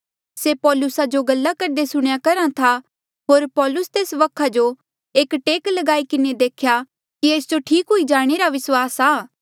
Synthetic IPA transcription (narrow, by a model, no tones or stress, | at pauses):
sepɔːlʊsad͡ʒoɡɐlːakɐɾd̪esʊɽ̃jakɐɾãt̪ʰa | ɦoːɾpɔːlʊst̪eːsʋɐkʰad͡ʒo | eːkʈeːklɐɡaːikɪned̪eːkʰja | kieːsd͡ʒoʈʰiːkɦʊid͡ʒaːɽ̃eːɾaʋɪswaːsaː